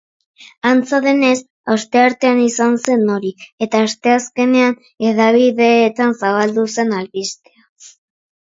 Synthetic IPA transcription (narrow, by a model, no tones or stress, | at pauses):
ant͡saðe̞ne̞s | ast̪e̞aɾt̪e̞anisanse̞nːo̞ɾie̞t̪aːst̪e̞aske̞ne̞an | e̞ðaβiðe̞ːt̪ansaβald̪use̞nalβist̪ea